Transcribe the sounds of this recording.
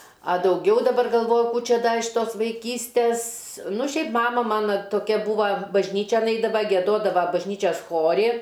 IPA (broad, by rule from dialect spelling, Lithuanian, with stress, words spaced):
ɐ dɐʊˈɡʲɛʊ dɐˈbɐr ɡɐlˠˈʋoːjʊ ˈkuː ˈt͡ʃʲɛ ɪʃ ˈtoːs ʋɐɪˈkʲiːsʲtʲeːs ˈnʊ ˈʃʲɛɪp ˈmɑːmɐ ˈmɑːnɐ toːˈkʲɛ ˈbuːʋɐ bɐʒʲˈnʲiːt͡ʃʲɛn ˈɛɪdɐʋɐ ɡʲiɛˈdoːdɐʋɐ bɐʒʲˈnʲiːt͡ʃʲɛs ˈxoːrʲɪ